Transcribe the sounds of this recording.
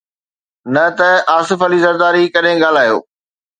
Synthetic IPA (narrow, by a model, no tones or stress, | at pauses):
nɐt̪ɐaːsɪfɐlizɐɾd̪aːɾikɐɗɦẽɡaːl̤aːɦijo̰ː